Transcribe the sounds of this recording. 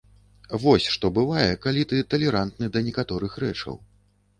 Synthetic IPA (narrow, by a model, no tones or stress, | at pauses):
vɔsʲʂt̪ɔbɨvajɛkalʲit̪ɨt̪ɐlʲɛɾant̪nɨd̪ɐnʲɛkat̪ɔɾɨxɾɛ̰t͡ʂɐ̰w